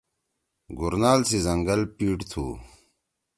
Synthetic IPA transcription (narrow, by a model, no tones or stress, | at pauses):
ɡuɾnaːlsizɐŋɡɐlpiːʈt̪ʰṵː